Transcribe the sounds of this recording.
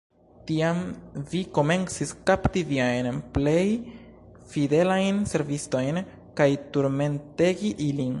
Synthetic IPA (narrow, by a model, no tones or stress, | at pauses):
tiamviko̞me̞nt͡siskaptiviajnple̞j | fide̞lajnse̞ɾvisto̞jn | kajtuɾme̞nte̞ɡiʔilin